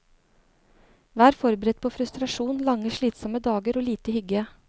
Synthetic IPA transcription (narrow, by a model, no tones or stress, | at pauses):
ʋæːɾfɔɾbəɾɛt̪̚pʰoːfɾʉst̪ɾɑʂuːnlɑŋːəʂɭiːt̪sɔməd̪ɑːɡəɾoːliːt̪əhʏɡə